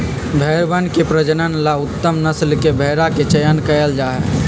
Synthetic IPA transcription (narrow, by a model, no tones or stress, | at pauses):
bʱɛːɾbənkepɾəd͡ʒənənlaʊt̪ːəmnəslkebʱeːɾaket͡ʃəjənkəjəld͡ʒaːɦɛ̰ː